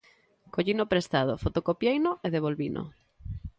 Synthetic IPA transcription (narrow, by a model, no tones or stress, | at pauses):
koʎinopɾest̪að̞o̰fot̪okopjejnʊeðeβ̞olβinʔo̰